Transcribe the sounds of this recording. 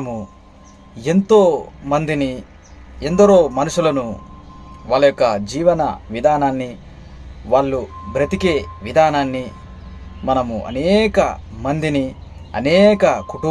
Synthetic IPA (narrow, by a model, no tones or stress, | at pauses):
mu | e̞nt̪o̞ːmɐnd̪ini | end̪ɐɾo̞ːmɐnuʂulɐnu | ʋaːɭːɐjokːɐd͡ʒiːʋɐnɐ̰ʋid̪ʱaːnaːnːi | ʋaːɭːubɾɐt̪ike̞ːʋid̪ʱaːnaːnːi | mɐnɐmṵʔɐ̰nɛːkɐ̰mɐnd̪ini | ɐnɛːkɐkuʈu